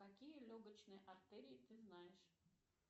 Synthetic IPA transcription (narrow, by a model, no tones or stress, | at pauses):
kakʲijəlʲoɡət͡ɕnɨjəʔɐrt̪ɛɾʲɪɪt̪ɨznajɪʂ